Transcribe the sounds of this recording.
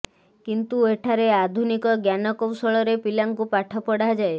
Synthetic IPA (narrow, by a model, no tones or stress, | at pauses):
kint̪ueʈʰaɾead̪ʱunikɔɡjanɔkɔwsɔɭɔɾepilaŋkupaʈʰɔpɔɽad͡ʒae